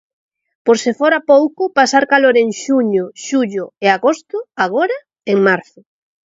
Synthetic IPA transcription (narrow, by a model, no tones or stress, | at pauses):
poɾsɪfoɾapowkʊpasaɾkaloɾeŋʃuɲʊʃuʎʊeaɣost̪ʊaɣoɾa | eŋmaɾθʊ